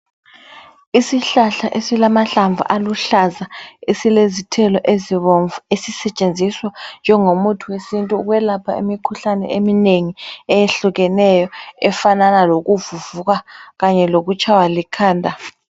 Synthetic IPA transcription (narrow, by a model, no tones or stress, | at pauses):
isiɬaɬaʔesilamaɬaɱvʱṵʔaluɬazaesilezitʰɛlɔʔeziβɔɱvesisɛt͡ʃʼend͡zʱiswand͡ʒʱɛŋomutʰuwesintʼuːɣwɛlapʰaḭmikʰuɬanɛ̰ʔemineŋiɛjeɬuɣɛnɛjɔɛfananaloɣuvuvuɣaɣaɲɛloɣut͡ʃʼawalikʰaːndʱa